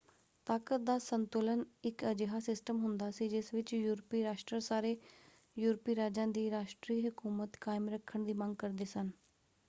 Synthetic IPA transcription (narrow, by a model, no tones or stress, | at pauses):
t̪aːkət̪̚d̪aːsənt̪ʊːlənɪkəd͡ʒeɦaːsɪsʈəmɦʊnd̪aːsiːd͡ʒɪsʋɪt͡ʃjuːɾpiːɾaːʃʈɾəsaːɾeː | juːɾpiːɾaːd͡ʒãːd̪iːɾaːʃʈɾiːɦʊkuːmət̪kaːɪmɾəkʰːəɳd̪iːməŋɡkəɾd̪eːsən